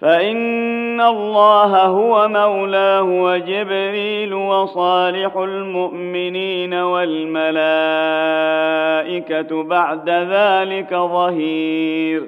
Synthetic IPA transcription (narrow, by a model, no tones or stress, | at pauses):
faʔɪnːalˤːɑːɦaɦʊwamawlaːʊwad͡ʒɪbɾiːlwɑsˤɑːlɪħʊlmʊʔmɪniːnawalmala | ʔɪkabaʕd̪aðaːlɪkaðˤɑɦiːɾ